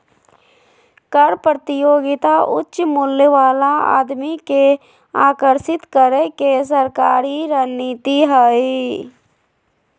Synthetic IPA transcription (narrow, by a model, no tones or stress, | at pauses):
kəɾpɾət̪ɪjoːɡɪt̪aʔʊ̰tːʃmʊljəʋaːlaa̰ːd̪mike | aːkəɾʃɪt̪kəɾəkes̬əɾkaːɾiɾəniːt̪iɦəe